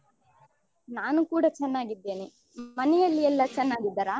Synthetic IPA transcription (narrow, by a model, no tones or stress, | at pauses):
naːnukuːɽɐt͡ʃɛnːaːɡid̪ːe̞ːni | mɐnɛjɐlːiɛlːɐt͡ʃɛnːaːɡid̪ːɐːɾaː